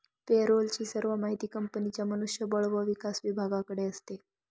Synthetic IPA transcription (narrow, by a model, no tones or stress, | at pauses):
peɾolt͡ɕiːsəɾʋəmaɦit̪iːkəmpənit͡ɕjamənuʂjəbəɭʋəʋikasʋibʱaɡãkəɽeəst̪e